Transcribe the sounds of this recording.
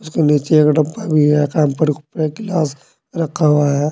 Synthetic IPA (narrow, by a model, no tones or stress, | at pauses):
ʊskeniːt͡ʃeekɖɐbabʱiɦɛkaːmpəɾpɾekɪlaːs | ɾɐkʰːaaɦɛː